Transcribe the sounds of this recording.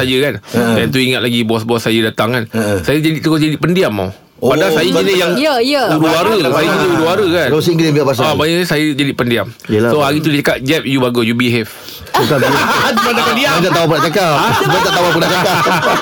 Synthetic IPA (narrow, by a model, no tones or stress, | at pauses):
ajəkandɛnt̪uiŋat̪̚laɡibɔsbɔsːajədat̪aŋkansajəd͡ʒadit̪ukod͡ʒadiʔpəndiamːa̰ | padasajəinəjaŋjəijəuɾuaɾəlajəɲəuɾuaɾəkans̬iŋɡlimbiapas̬aabaɲaʔɲəsajəd͡ʒadipəndiam | əlasoɦaɾit̪̬udit͡ʃakat̪̚d͡ʒɛp̚jubaɡojubiɦɛf | ukat̪umat̪apadiat̪aʔt̪aapədaʔt͡ʃakaaaaʔt̪awap̬ədaʔt͡ʃaka